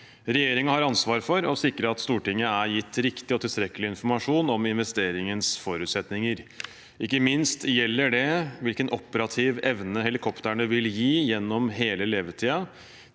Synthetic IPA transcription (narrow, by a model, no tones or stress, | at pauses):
ɾɛjeːɾɪŋɑhɑɾɑnsʋɑːɾfɔɾɔsɪkːɾəɑt̪st̪uːʈɪŋːəæɾjɪt̪ːɾɪkt̪ɪɔt̪ʰɪlst̪ɾɛkːəlɪɪnfɔɾmɑʂuːnɔmɪnʋɛst̪eːɾɪŋənsfɔɾʉːt̪sɛt̪nɪŋəɾ | ɪkːəmɪnst̪jɛlːəɖɛʋɪlkənʔɔpəɾɑt̪ʰɪʋɛʋnəɦɛlɪkʰɔpt̪æɳʉʋɪljiːjɛnːɔmɦeːləleːʋət̪ʰiːɑ